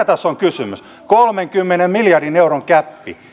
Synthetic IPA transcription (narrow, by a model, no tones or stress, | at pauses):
t̪ɑsːoŋkysymys | kolmeŋkymːenemmiljɑrdineuroŋkæpːḭ